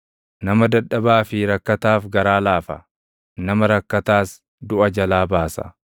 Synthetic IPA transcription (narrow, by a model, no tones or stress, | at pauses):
nɐmɐd̪ɐᶑːɐbaːfɪɾɐkːɐt̪aːfɡɐɾaːlaːfɐ | nɐmɐɾɐkːɐt̪aːs | d̪ʊʔɐd͡ʒɐlaːbaːsɐ̰